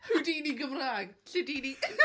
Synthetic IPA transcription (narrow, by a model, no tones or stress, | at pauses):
rudiːniɡəmraːɡɬɪdiːni